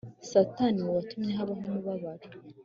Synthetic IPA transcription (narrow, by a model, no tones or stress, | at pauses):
sataniuβatumɲeɦaβaɦomuβaβaɾa